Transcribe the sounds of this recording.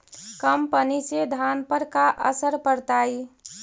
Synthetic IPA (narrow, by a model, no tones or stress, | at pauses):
kəmpənised̪ʱanpəɾkaʔə̰səɾpəɾt̪ai